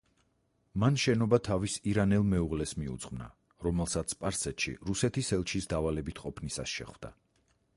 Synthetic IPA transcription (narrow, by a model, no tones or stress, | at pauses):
manʃɛnɔbat̪ʰavisiɾanɛlˠmɛuʁlɛsmiṵt̪sʼχmna̰ | ɾɔmɛlˠsat̪sʰpʼaɾsɛt̪ʃḭɾusɛt̪ʰisɛlˠt͡ʃʰisd̪avalɛbit̪ʰqʼɔpʰnisa̰sʃɛ̰χvd̪̥a̰